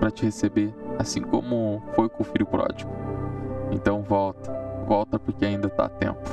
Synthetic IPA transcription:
pɾɐt͡ʃɪhesebeasĩkõ̰mʊfojkõʊfilʊpɾɔ̰d͡ʒiɡʊẽnt̪ɐ̃w̃vɔwt̪ɐ̥vɔwt̪ɐpoɾkeaĩnd̪ɐt̪a̰t̪ḛ̃mpʊ̥

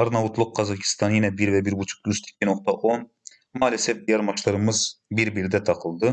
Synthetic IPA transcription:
ɑɾnɑvut̪ʰlˠuq̚qːɑzɑkʰi̥st̪ʰɑnjinɛbiɾvɛbiɾbut͡ʃʰu̥k̚lʲust̪ʰi̥k̚ʲʰːinoq̚t̪ɑʔon | mɑːlʲɛsɛfd̪ijɛɾmɑʃlˠɑɾɯmɯzbiɾbiɾd̪ɛt̪ʰɑqʰɯlˠd̪ɯ

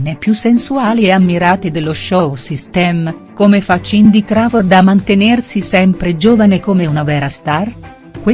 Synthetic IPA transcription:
nepːjusːensuaːlieamːiɾaːt̪ed̪elːoʃɔsist̪ɛm | komefat͡ʃːind̪ikɾaːvord̪amant̪enersisɛmpɾed͡ʒoːvanekomeunavɛːɾast̪ar | kwe

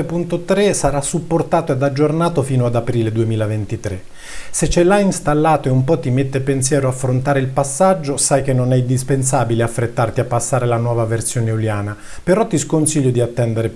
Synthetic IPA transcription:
epunt̪ot̪ɾesaɾasːupːort̪aːt̪oead̪ad͡ʒːornaːt̪ofiːnoad̪apɾiːled̪uemiːlavent̪it̪ɾe | set͡ʃːɛlainst̪alːaːt̪oeumpɔt̪ːimet̪ːepensjɛːɾoafːɾont̪aːɾeilpasːad͡ʒːosajkenːonɛind̪ispens̬aːbileafːɾet̪ːart̪iapːasːaːɾelanwɔːvaversjoːneuljaːna | peɾɔt̪ːiskonsiʎːod̪iat̪ːɛnd̪eɾe

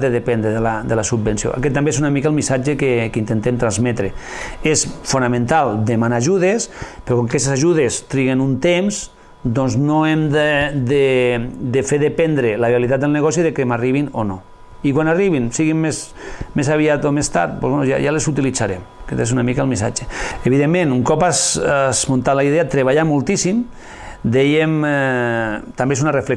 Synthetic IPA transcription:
eðepɛnd̪ɾeðelad̪elasubbensio̰ʔa̰kɛt̪ːambees̬unamikaəlˠmisad͡ʒekekint̪ent̪emt̪ɾanzmɛt̪ɾe | esfunamẽnt̪alˠd̪emanaːʒuðespeɾokoŋkakɛst̪esaʒuðest̪ɾiɣenunt̪emz | d̪ɔnznoemd̪ed̪ed̪efeɾðepɛnd̪ɾelaβeilit̪at̪̚d̪elˠneɣɔsiðekemariβ̞inono | ikwanariβinsiɣimmes | mesaβ̞iat̪omest̪a̰ɾt̪̚po̰zβenuja̰jalesut̪ilit͡saɾḛm | ket̪esunamikəlmisa̰t͡ʃeeβiðemːẽnuŋkɔpazazmont̪at̪laiðeat̪ɾeβaʎamulˠt̪isim | d̪ɛjem | t̪ambesunarefle

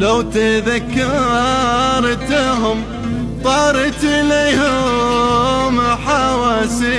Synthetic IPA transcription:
lawt̪aðakːɑɾ | ɾˤt̪ɦʊm | t̪ˤɑːɾɪt̪ʔɪleːhʊ | mħawaːsi

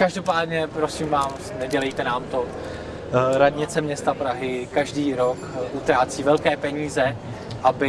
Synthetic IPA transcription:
kaʒdo̞paːdɲɛpɾo̞siːmvaːmsnɛɟɛlɛjt̪ɛnaːmt̪o̞ | ɾadɲɪt͡sɛmɲɛst̪apɾaɦɪkaʒdiːɾo̞kʔut̪ɾaːt͡siːvɛlkɛːpɛɲiːzɛ | ʔabɪ

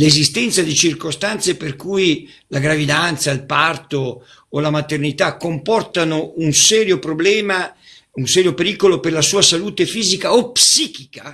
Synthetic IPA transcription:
lezist̪ɛnt̪sad̪it͡ʃirkost̪ant̪seperkuj | laɡɾavid̪ant̪sailpart̪oː | lamat̪ernit̪akːompɔrt̪anounsɛːɾjopɾoblɛːma | unsɛːɾjopeɾikoloperlasuːasaluːt̪efiːzikaopsiːkika

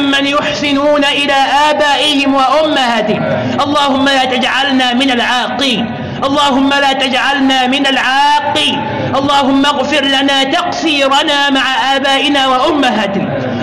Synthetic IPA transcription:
mːanjʊħsɪnuːnaʔɪlaːʔaːbaːʔɪhɪmwaʔʊmːahaːt̪ɪhɪ | ʔɑlˤːɑːhʊmːalaːt̪ad͡ʒʕalnaːmɪnalʕaːqːiːn | ʔɑlˤːɑːɦʊmːalaːt̪ad͡ʒʕalnaːmɪnalʕaːqːiːn | ʔɑlˤːɑːɦʊmːaɣfɪɾlanaːt̪ɑqsiːɾˤɑnaːmaʕaʔaːbaːʔɪnaːwaʔʊmːaɦaːt̪ɪ

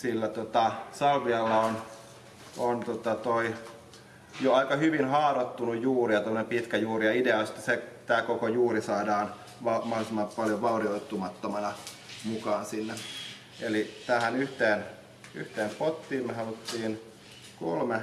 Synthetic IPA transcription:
silːæt̪ot̪ɑsɑlʋiɑlːɑon | ont̪ot̪ɑt̪oi | joɑikɑhyʋinhɑːrot̪ːunujjuːrijɑt̪omːə̆nempit̪kæjuːrijɑideɑst̪ːɑset̪æːkokojuːrisɑːdɑːn | ʋɑmɑholisimːɑpɑljoʋʋɑurioit̪ːumɑt̪ːomɑnɑ | mukɑːnsinːe | elit̪æːhænyht̪eːn | yht̪eːmpot̪ːiːmmehɑlut̪ːiːn | ko̰lme

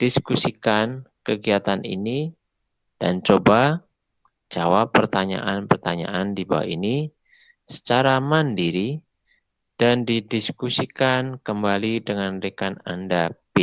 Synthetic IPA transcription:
d̥iskusikankəɡiat̪anḭni | d̥a̰nt͡ʃoba | d͡ʒawapːərt̪aɲa̰ʔanpərt̪aɲa̰ʔandiba̰wa̰ʔini | sə̥t͡ʃaɾamandiɾi | d̥andidiskusikankəmbalidəŋandekana̰ndabe

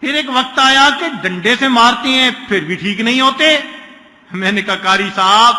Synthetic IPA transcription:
pʰɪɾeːkʋək̚t̪aːjaːkeɖə̃ɳɖesemaːɾt̪eɦɛ̃ːpʰɪɾbʱiʈʰiːknəɦĩːɦoːt̪eː | mɛ̃ːnekaːkaːɾisaːb

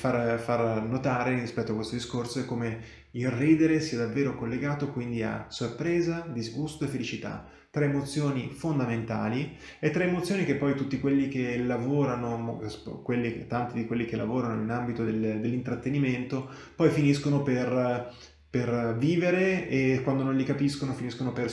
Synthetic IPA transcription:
farfarnot̪aːɾerispɛt̪ːoakwest̪od̪iskorsoekːome | ilriːd̪eɾesiːad̪avːeːɾokolːeɡaːt̪okwind̪ia̰sorpɾeːzad̪izɡust̪oefːelit͡ʃit̪a̰ | t̪ːɾeːmot̪sːjoːnifond̪ament̪a̰ːli | et̪ːɾeemot̪sːjoːnik̟epːɔjt̪ut̪ːikwelːik̟elavoːɾanoskwelːit̪ːant̪id̪ikwelːikelːavoːɾanoinambit̪od̪eld̪elːint̪ɾat̪ːeniment̪o | pɔjfiniskonoper | perviːveɾeekwand̪onõnlikapiskonofiniskonoper

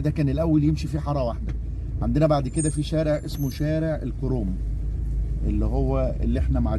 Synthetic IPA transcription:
d̪ækæːnelʔæwːæljemʃifiħɑɾˤɑwaħd̪æ | ʕand̪enæbaʕd̪ked̪æfiʃæːɾeʕʔesmoʃæːɾeʕʔelkoɾoːm | ʔelːiɦowːæʔḛlːiʔeħnæmaʕa

